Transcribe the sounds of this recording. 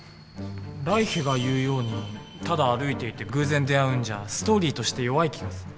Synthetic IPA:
ɾaiheɡajɯ̟ːjo̞ːɲ̟i | t̪ad̪aːɾɯ̟it̪e̞it̪e̞ɡɯ̟ːzẽ̞nd̪e̞jaɯ̟̃ɲ̟d͡ʑasɨ̥t̪o̞ːɾʲiːt̪o̞ɕi̥t̪e̞jo̞βaikʲʰiɡasɨ̥

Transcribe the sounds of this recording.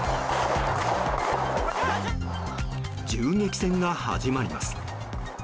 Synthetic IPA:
d͡ʑɨːŋe̞kʲi̥sẽ̞ŋɡaha̰ʑimaɾʲima̰sɨ̥

